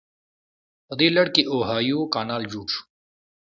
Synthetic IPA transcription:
ɐd̪iːlɐɽkiʔoːɦaːjoːkaːnaːld͡ʑuːʈ͡ʂʰ

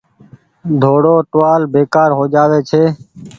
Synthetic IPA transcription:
d̪ʱoːɽoːʈʋaːlbeːkaːɾɦoːd͡ʒaːʋeːt͡ʃʰeː

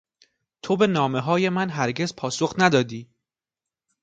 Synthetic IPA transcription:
t̪ʰo̞be̞nɒːme̞ɦɒːje̞mænɦæɾɟe̞zpʰɒːso̞xnæd̪ɒːd̪iː

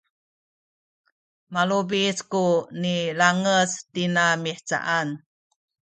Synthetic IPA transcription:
malubiskunilaŋəstinamiħt͡sa̰ʔan

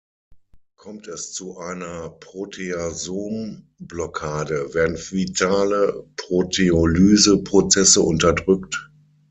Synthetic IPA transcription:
kʰɔmtɛst͡suʔaɪnɐpʁ̥otʰeazoːm | blɔkʰaːdəvɛːɐdn̩vitʰaːləpʁ̥otʰeolyːzəpʁ̥ot͡sɛsəʔʊntɐdʁʏkt

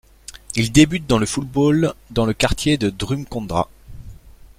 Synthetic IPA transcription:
ild̪ebyt̪̚d̪ɑ̃ləfut̪̚bold̪ɑ̃ləkaʁt̪jed̪əd̪ʁymkɔ̃d̪ʁa̰

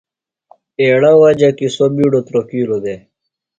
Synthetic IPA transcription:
eːɽawad͡ʑakisobiɖot̪ɾokiːlod̪e

